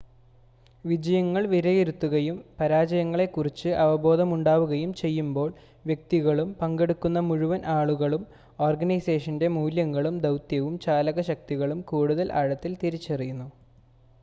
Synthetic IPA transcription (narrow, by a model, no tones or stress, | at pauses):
ʋid͡ʑɐjɐŋːɐɭʋiɾɐjeɾut̪ːuɣɐjumpɐɾaːd͡ʑɐjɐŋːɐɭe̞kːurit͡ɕːɨʔɐʋɐbo̞ːd̪ɐmuɳɖaːʋuɣɐjumt͡ɕe̞jːumbo̞ːɭ | ʋjek̚t̪iɣɐɭumpɐŋɡe̞ɽukːun̪ːɐmuɻuʋɐnʔaːɭuɣɐɭum | o̞ːrɡɐnɐjseːʂɐnde̞muːljɐŋːɐɭumd̪ɐwt̪jɐʋumt͡ɕaːlɐɣɐɕɐk̚t̪iɣɐɭumkuːɽuðɐlʔɐ̰ɻɐt̪ːilt̪iɾit͡ɕːɐrijunːu